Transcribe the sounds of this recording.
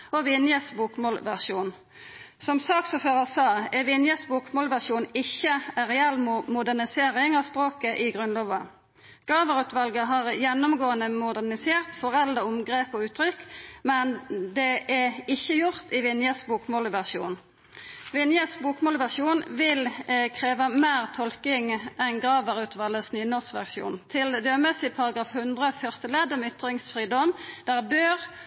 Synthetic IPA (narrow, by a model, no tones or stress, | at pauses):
ɔʋɪnjəsbuːkmoːlʋæʁʃuːn | sɔmsɑːksɔføːʁəsɑːɛʋɪnjəsbuːkmoːlʋæʁʃuːnɪçːəæʁɛɛlmmʊd̪ænɪseːʁɪŋɑspʁoːkəʔɪɡʁʉnlɔːʋɑ | ɡ̥ʁɑːʋəʁʉːt̪ʋɑlɡəɦɑʁjɛnːʊmɡoːənəmʊd̪ænɪseːʁt̪fɔʁɛld̪əʊmɡʁeːpɔːʉːt̪ʰɾʏkmɛnd̪ɛʔɛɪçːəjʊʁt̪ɪʋɪnjəsbuːkmɔːlʋæʁʂṵːn | ʋɪnjəsbuːkmoːlʋæʁʃuːnʋɪlkʰʁeːʋəmæːʁt̪ʰɔlkɪŋʔɛnɡʁɑːʋəʁʉːt̪ʰʋɑləsnyːənɔsʋæ̰ʁʃṵːnt̪ʰɪld̪øːmɛsɪpʰɑʁɑɡɑːfhʉnd̪ʁəfœʁst̪əleːd̪ɔmʏt̪ʁɪŋsfʁiːd̪ɔmd̪̥æʁbøːʁ